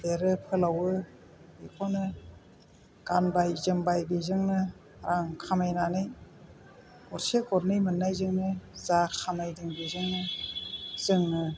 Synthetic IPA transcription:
deɾɯpʰɯlawɯ | bikʰɔnɯ | ɡ̥anbajzɯŋbajbizɯŋnɯ | ɾaŋkʰamajnanɯj | ɔɾsekɔɾnɯjmɯnːajzɯŋnɯzakʰamajdɯŋbizɯŋnɯ | z̥ɯŋnɯ

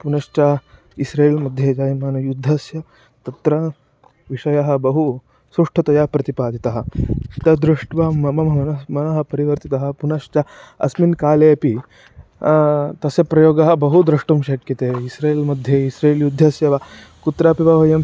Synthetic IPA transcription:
punɐʂt͡ʃɐ | isɾeːlmɐd̪ʱːjed͡ʒaːjmaːnɐjud̪ʱːɐsjɐ | t̪ɐt̪ɾɐ | ʋiʂɐjɐɦɐ̆bɐɦu | sɾuʂʈʰɐt̪ɐjapɾɐt̪ipaːd̪ʱit̪ɐɦɐ̆t̪ɐd̪ɾuʂʈʋɐmɐmɐmɐɐnɐmɐnɐɦɐ̆pɐɾiʋɐɾt̪it̪ɐɦɐ̆punɐʃt͡ʃɐɐ̰sminkaːleɐpi | t̪ɐsɐpɾɐjoːɡɐɦɐ̆bɐɦud̪ɾɐʂʈumʃɐkjɐt̪eːisɾeːlmɐd̪ʱjeisɾeːljud̪ʱːɐsjɐʋɐ | kut̪ɾaːpibɐʋɐjɐm

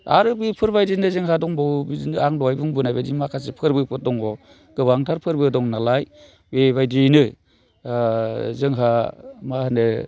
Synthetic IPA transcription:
a̰ɾɯbipʰɯɾbajdinɯzɯŋɦadɔŋbɯwbiinɯaŋdɔajbuŋbunajbadimakʰas̬epʰɯɾbɯpʰɯɾ̚dɔŋɔ | ɡ̥ɯbaŋtʰaɾpʰɯɾbɯdɔŋnalaj | bebajdinɯ | zɯŋɦamahanɯ

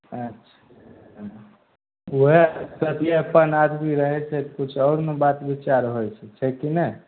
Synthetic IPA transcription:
ətːʃʰḁ | uɦesət̪ijeəpənad̪miɾəɦɛt͡ʃʰɛt̪kut͡ʃʰɔɾmebat̪bit͡ʃaɾɦojt͡ʃʰɛt͡ʃʰɛkine

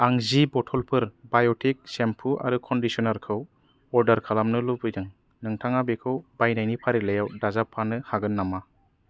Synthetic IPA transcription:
aŋzibɔtʰɔlpʰɯɾbajɔtʰik̚sempʰuʔa̰ɾukʰɔndisɔnaɾkʰɯw | ɔɾdaɾkʰalamnɯlubɯjdɯŋ | nɯŋtʰaŋabekʰɯwb̥ajnajnipʰaɾilajawdazapʰːanɯhaɡɯnːama

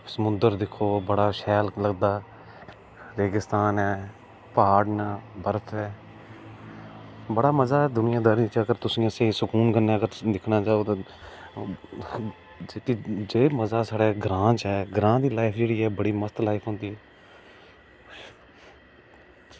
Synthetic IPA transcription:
səmʊ̃nd̪əɾd̪ɪkʰːoːbəɽaːʃɛːlləɡd̪aː | ɾeːɡɪst̪aːnɛː | paːɖnaːbəɾət̪ʰɛː | bəɽaːməzaːɛːd̪ʊnɪjãːd̪əɾĩːt͡ʃəɡəɾt̪ʊsĩːəsẽːsʊkuːnkənːeːəɡəɾd̪ɪkʰnaːt͡ʃaːoːt̪ã | d͡ʒekiːd͡ʒeːməzaːsaːɽeːɡɾãːd͡ʒɦɛːɡɾãːd̪iːlaːɪpʰd͡ʒeːɽiːɦɛːbəɽiːməst̪laːɪpʰɦõːnd̪iːɦɛː

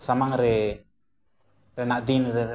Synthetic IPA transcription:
samaŋɾɛ | rɛnaʔd̪inrɛ

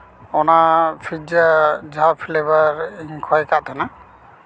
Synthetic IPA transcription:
ɔnapʰid͡ʒad͡ʒapʰlebaɾiŋkʰɔjkaʔt̪ʰana

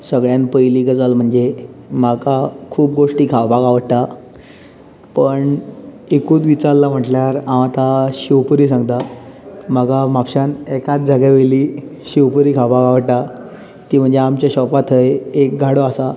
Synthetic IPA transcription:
səɡɭjãnpəjliːɡəd͡zalm̤əɳd͡zemakakʰuːp̚ɡoʂʈiːkʰaʋbaɡaʋəɽʈ̪a | pəɳ | ekũːt̪ʋit͡saɾlam̤əʈljaɾãʋat̪aɕiʋpəɾiːs̬ãŋɡt̪a | məɡamapɕanɛkat̪̚d͡zaɡɛʋeliːɕiʋpəɾiːkʰaʋbaɡaʋəʈʈa | t̪iːm̤əɳd͡zeamt͡ɕjaɕɔpat̪ʰəjek̚ɡʱaɽoasa

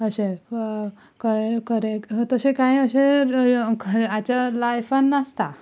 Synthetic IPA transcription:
əɕe | kəekəɾet̪əsekaiəɕe | kat͡ɕalajfənːəst̪a

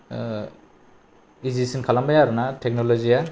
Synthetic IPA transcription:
izisinkʰalambajaɾunatʰɛk̚nɔlɔzija

